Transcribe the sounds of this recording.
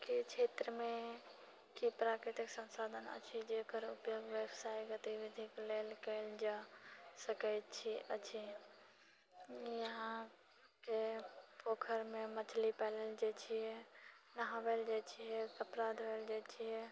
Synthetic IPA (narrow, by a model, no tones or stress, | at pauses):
kit͡ʃʰet̪ɾəmẽ | kipɾakɾit̪iksə̃nsad̪ʱənə̰t͡ʃʰid͡ʒekəɾupjoɡʋjəbsajɡət̪iʋid̪ʱikleːlkəɪld͡ʒasəkəjt̪t͡ʃʰiʔət͡ʃʰi | jəɦã | kepoːkʰəɾmẽmət͡ʃʰlipɛləld͡ʒat͡ʃʰiɛ | nəɦãʋɛld͡ʒat͡ʃʰiɦɛt̪əpɾad̪ʱɦəld͡ʒat͡ʃʰiɦɛ